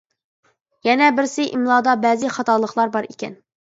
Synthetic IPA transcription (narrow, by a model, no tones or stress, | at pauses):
jɛnɛbɪɾsɪʔimlˠɑːd̪ɑbɛzɪχɑt̪ɑlˠəχlˠɑɾbɑɾikʲɛn